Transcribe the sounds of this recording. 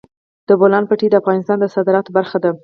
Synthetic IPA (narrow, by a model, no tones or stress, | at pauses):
d̪̥əbolɑnpaʈid̪əafɣɑnɪst̪ɑnd̪əsɑd̪ɪɾɑt̪baɾxad̪a